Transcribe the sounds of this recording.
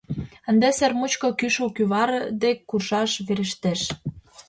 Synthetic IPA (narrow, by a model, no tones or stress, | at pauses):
ə̆nd̪esermut͡ɕkŏkyʃokyβɑɾɤd̪ekːurʃɑʃβeɾə̆ʃt̪eʃ